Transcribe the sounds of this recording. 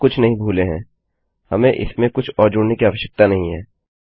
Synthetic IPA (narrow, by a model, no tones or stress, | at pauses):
kʊt͡ʃʰnɐɦĩbʱuːleɦɛ̃ː | hɐmẽʔɪ̰smẽkʊt͡ʃʰɔːɾd͡ʒʊɽnekiaːʋəʃjək̚t̪anɐɦĩɦɛː